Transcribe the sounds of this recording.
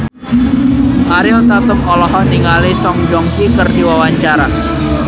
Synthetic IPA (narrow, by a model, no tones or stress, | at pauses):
ʔaɾiɔt̪at̪ʊp̚ɔlɔɦɔniŋalisɔŋd͡ʒɔŋkikərdiwawaɲt͡ʃaɾa